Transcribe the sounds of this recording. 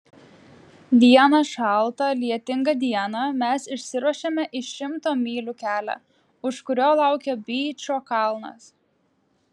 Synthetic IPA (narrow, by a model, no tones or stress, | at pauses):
d̪ʲiɛnɐʃɑˑlˠˑt̪ɐlʲiɛt̪ʲɪŋɡɐd̪ʲiɛnɐmʲɛsɪʃʲsʲɪɾuɔʃʲeːmʲɛʔɪʃʲɪmt̪oːmʲiːlʲukʲæːlʲæ̰ | ʊʃkʊɾʲoːlˠɑˑʊkʲɛbʲiːt͡ʃʲoːkɐlˠnɐ̰s